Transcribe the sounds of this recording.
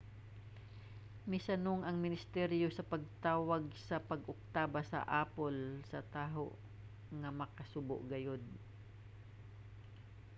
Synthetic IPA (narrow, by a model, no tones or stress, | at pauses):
mɪsɐnoŋɐŋmɪnɪst̪ɛɾjosɐpɐɡ̚t̪aːwɐɡ̚sɐpɐɡʊk̚t̪aːbɐsɐ̰ʔaːpolsɐt̪aːɦo̰ʔ | ŋɐmɐkɐsʊbʊ̰ʔɡɐjod̪̚